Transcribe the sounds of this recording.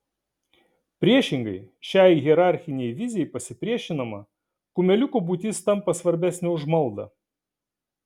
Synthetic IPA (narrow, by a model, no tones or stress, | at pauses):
pʲɾʲiɛʃʲɪŋɡɐɪʃʲæˑɪɣʲɛɾɑˑɾʲxʲɪnʲɛɪʋʲɪzʲɪjɛjpɐsʲɪpʲɾʲiɛʃʲɪnɐmɐ̰ | kʊmʲɛlʲʊkuːbut̪ʲɪst̪ɐmpɐsʋɐɾʲbʲæsʲnʲɛʊʒmɐlˠd̪ɐ̰